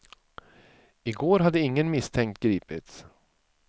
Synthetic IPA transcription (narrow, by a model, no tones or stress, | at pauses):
ɪɡoːɾɦad̪ːəɪŋːənmɪst̪ʰɛŋkt̪ɡɾiːpɪt̪s